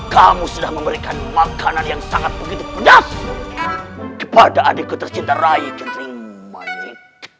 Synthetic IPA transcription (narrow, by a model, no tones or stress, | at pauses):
kamusudahməmbəɾikanmakananjaŋsaŋat̪̚bəɡit̪upəd͡ʒasa | kəpadaːdakut̪ərt͡ʃint̪arajid͡ʒanuma̰ik